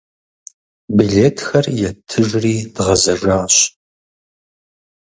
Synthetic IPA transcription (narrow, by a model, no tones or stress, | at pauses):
biɮeːtʰxɐrjɛtʰɨʒriːdʁɐzɐʒaːɕ